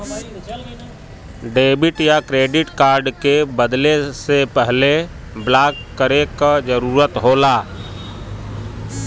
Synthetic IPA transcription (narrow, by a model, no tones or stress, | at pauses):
ɖeːbɪʈjakɾeːɖɪʈkaːɾɖkebəd̪lesepɛɦle | blaːkːəɾekad͡ʒəɾuːɾət̪ɦoːlaː